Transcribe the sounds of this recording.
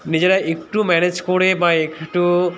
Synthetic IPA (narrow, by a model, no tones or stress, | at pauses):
nid͡ʑeɾaʔekʈumɛned͡ʑkoɽebaekʈu